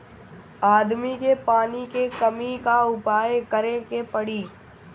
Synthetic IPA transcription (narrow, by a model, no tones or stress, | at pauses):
aːd̪mikepaːnikekɐmikaʊpaːjkɐɾẽkepɐɽiː